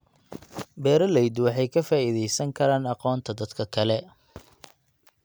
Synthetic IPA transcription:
bɛːɾɐlɛjd̪wɑħɑjkʰɐfaːiðɛjsɐŋkʰɐɾaːnɑqɔːnt̪ʰɐd̪ɐd̪kʰɐkʰɐlɛ

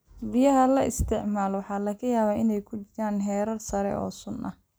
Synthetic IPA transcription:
bɪjɐɦɐlɐʔɪst̪ʰɪʕmaːlɔwɑħɑːlɐɣɐjaːβaːɪnɛjkʰʊt͡ʃɪɾaːnɦɛːɾɐrsɐɾɛ̰ʔɔ̰ːsʊnʔɐ

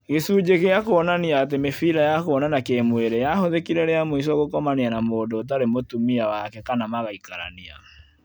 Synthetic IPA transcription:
ɣesuːd͡ʒekeakoɔnaniaːtemefiɾajakoɔnanakemweɾɛjahoðekiɾɛɾeamois̬ɔɣokɔmaneanamoːdot̬aɾemotumiawakɛkanamaɣaikaɾa̰nia̰

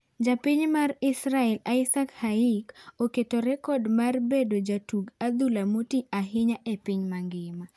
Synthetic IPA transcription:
d͡ʒapiɲmarɪsɾaɛlaɪsakhaikoketoɾɛkɔdmarbedod͡ʒatuɡad̪ulamotiaɦɪɲaʔepiɲmaŋɡɪma

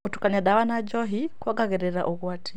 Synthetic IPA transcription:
utu̥kanaɗawanad͡ʒɔɦikwaɡaɣɛɾɛɾa̰ʔɔɣwatʰi

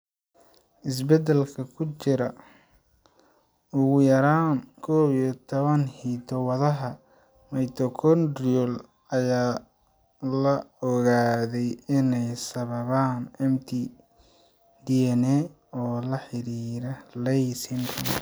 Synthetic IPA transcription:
ʔɪs̬bɛd̪ɛlkʰɐkʰʊt͡ʃɪɾɐ | ʊɣʊjɐɾaːnkʰɔːwit̪ʰɔβɐnhiːt̪ʰɔwɐðɐɦɐ | mɐjt̪ʰɔkʰɔnd̪riɔl | ɐjaː | lɐɔɣaːðɛjɪnɛjsɐβɐβaːnʔɛmt̪ʰi | d̪iɛnɛ | ɔːlɐħɪɾiːɾɐlɛjsɪntʰɐn

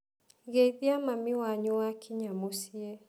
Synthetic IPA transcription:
ɣeiðiamamiwaɲuakʰiɲamosiɛ

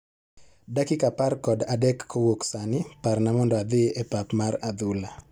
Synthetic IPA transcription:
dakikaparkɔdadɛkːʰowoksanɪparnamɔndɔad̪ɪʔepapmarad̪ula

